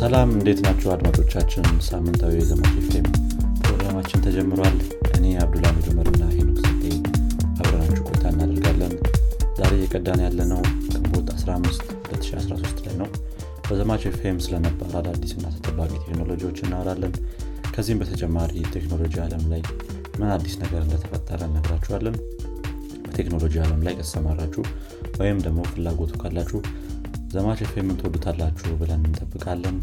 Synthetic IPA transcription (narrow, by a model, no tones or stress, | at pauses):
səlamɨnd̪e̞t̪nat͡ʃːɛwad̪mat͡ʃʼo̞t͡ʃːat͡ʃːɪnsamːɨnt̪ʼʰawijɛzəmat͡ʃʼefempʰɾo̞ɡɾamat͡ʃːɪnt̪ʰəd͡ʒɛmːɨɾal | ʔɨne̞aβd̪ulamid͡ʒ̪umːəɾɨnːahenəwsɨt̪ʼːe̞ | ʔaβɾənat͡ʃːɛɡʼo̞jt̪ʰaɨnːad̪əɾɡalːənzaɾe̞jɛkʼəd̪ːanjalːənəwkʰʼɨmbo̞t̪ʰasɾaamːɨst̪ | ulət̪ːɨ̥ʃia̰sɾaso̞st̪la̰jnəw | bəzəmat͡ʃefemsɨlənəbə̰ɾalad̪ːisɨnːat̪ʰə̥t̪ʼəbːakʼit̪ʰe̞kno̞lo̞d͡ʒiwot͡ʃːɪnːawd̪alːən | kʰəzːihmbət̪ʰət͡ʃʼɛmːaɾit̪ʰe̞kno̞lo̞d͡ʒialəmlaj | mɨnad̪ːisnəɡəɾɨnd̪ət̪ʰəfət̪ʼːəɾəɨnːəɡɾat͡ʃːɛhalːən | bət̪ʰe̞kno̞lo̞d͡ʒialəmlajkʰəəsəmaɾat͡ʃːu | wɔjɪmd̪əɡmofɨlːaɡo̞t̪ʰu̥kʰːalːat͡ʃːuh | zəmat͡ʃefemɨnt̪ʰwod̪ut̪ʰalːat͡ʃːubɨlənɨnt̪ʼəbːɨkʼalːən